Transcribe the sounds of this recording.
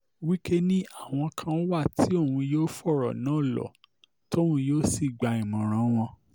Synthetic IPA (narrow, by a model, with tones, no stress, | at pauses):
wi˦ke˦nĩ˦a˦˨w̃ɔ̃˧kʰã˧ɔ˦wa˦˨tʰi˨˦o˦˨ũ˧joː˦fɔ˦˨ɾɔ̰˨nã˨˦˨lɔ̰˨ | to˦˨ũ˧joː˦si˦˨ɡ͡ba˨ĩ˨mɔ̃˨ɾ̃ã˨˦w̃ɔ̃˧